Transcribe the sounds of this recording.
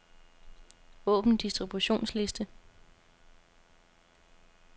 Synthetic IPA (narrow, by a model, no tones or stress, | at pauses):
ɔ̽ːb̥n̩d̥isd̥ʁib̥uɕo̝̰ːnsle̝sd̥ə